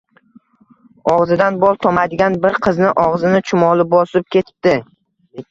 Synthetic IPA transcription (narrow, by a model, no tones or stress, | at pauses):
ɒʁzɪd̪anbɒlˠt̪ʰɒmajd̪ɪɡʲanbɪɾqʰɨznɪʔɒʁzɪnɪt͡ʃʰʊmɒlˠɪbɒsɪp̚kʲe̞t̪ʰɪ̥p̚d̪̥ɪ